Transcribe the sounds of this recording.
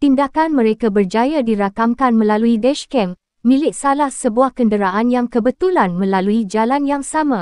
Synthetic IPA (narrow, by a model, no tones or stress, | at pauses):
t̪indakanmə̃ɾekabərd͡ʒajadiɾakamkanmə̃laluidɛʃkɛmː | ĩlɪk̚salahsəbuahkəndəɾaʔanjaŋkəbət̪ulanmə̃laluid͡ʒalanjaŋsamã